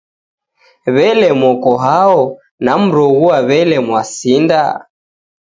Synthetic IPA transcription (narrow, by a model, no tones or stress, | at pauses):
βɛlɛmɔkɔɦaɔ | nam̩ɾɔɣuaβɛlɛmwasinda